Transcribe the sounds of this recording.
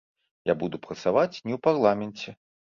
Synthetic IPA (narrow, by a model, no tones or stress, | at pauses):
jabud̪upɾɐt̪savat͡sʲnʲɛwparlˠamʲɛnʲt͡sʲɛ